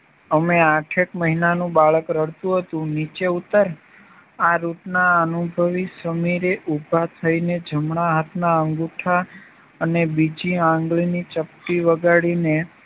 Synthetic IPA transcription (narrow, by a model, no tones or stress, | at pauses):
əmeaʈʰekməɦinanũbaɭəkɾəɽt̪ũɦət̪ũnit͡ʃeut̪ːəɾ | aɾuʈnaənubʱəʋisəmiɾeʔubʱat̪ʰəined͡ʒʱəmɳaɦət̪ʰnaəŋɡuʈʰa | ənebid͡ʒiãŋɡɭinit͡ʃəpʈiʋəɡaɽine